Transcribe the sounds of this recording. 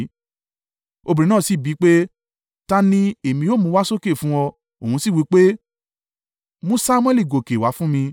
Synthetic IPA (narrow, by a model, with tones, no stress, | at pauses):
o˧bĩ˨ɾ̃ĩ˦nãː˦˨si˨˦˨bi˨˦k͡pe˦ | ta˦nĩ˦e˨mĩ˧joː˦˨mũ˧wa˦so˦ke˦˨fũ˦wɔ˧ | o˨hũ˧si˦˨wi˨˦k͡pe˦ | mũ˦sa˦mw̃ɛ˦˨li˦˨ɡo˨ke˨wa˨˦fũ˦mĩ˧